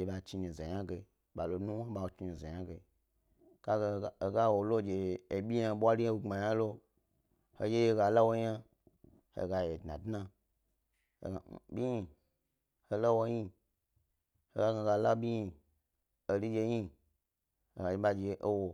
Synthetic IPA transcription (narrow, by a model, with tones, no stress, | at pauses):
e˧ɓa˧˨t͡ʃi˧nĩ˨za˨ja˦ɡe˧i˨ | ɓa˨lo˧nu˦o˦ɓa˧˨wo˨t͡ʃi˧nĩ˨za̰˨ɲa˦ɡe˧i̥˨ | a˦ɡɡa˦wo˨lo˦˨d͡ʒe˧˨e˨ɓʲi˦jã˧˦ɓʷa˦li˦a˦wu˧˨a˨jã˦lo˦ | ho̰˨˧je˦je˧ɡa˧la˦wo˧ja˦ | hḛ˨ɡa˧je˨dna˨dna˧˨ | a˨˦bʲi˦ɲi˧˨ | ho˧lo˦wo˧ji˦ | ho˨ɡa˦ɡa˧ɡa˧la˦ɓʲi˦i˧ | o˧li˦d͡ʒe˧ji˦ | o˨ɡa˨d͡ʒe˧˦ɓa˧d͡ʒe˧˨˧ʔo˦wo˧